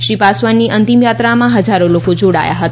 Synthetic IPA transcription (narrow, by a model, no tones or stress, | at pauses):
ʃipasʋanːiʔənt̪imjat̪ɾamãɦəd͡ʒaɾolokod͡ʒoɽa̰ja̰ɦət̪a